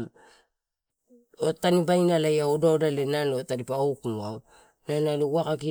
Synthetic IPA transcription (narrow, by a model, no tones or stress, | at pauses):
otanibajnalajaododalenalotadipaowkuaw | nanalowakaki